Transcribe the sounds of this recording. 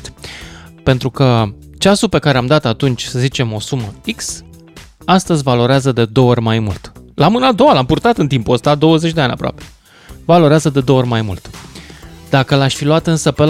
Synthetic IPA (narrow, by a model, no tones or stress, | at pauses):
pe̞nt̪ɾukə | t͡ʃasupe̞kaɾeamd̪at̪at̪unt͡ʃʲsəzit͡ʃe̞mo̞suməiks | ast̪əzʲvalo̞ɾeazəd̪e̞d̪o̞orʲmajmult̪lamɨnad̪o̞walampurt̪at̪ɨnt̪impuəst̪ad̪o̞wəze̞t͡ʃʲd̪ean̰ʲa̰pɾoa̰pe̞̥ | valo̞ɾeazəd̪e̞d̪oorʲmajmṵlt̪ | d̪akəlaʃʲfiluat̪ɨnsəpel